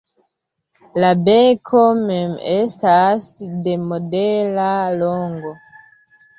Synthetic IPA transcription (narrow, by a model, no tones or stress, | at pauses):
labekʰomɛmestasdemodelaloŋɡo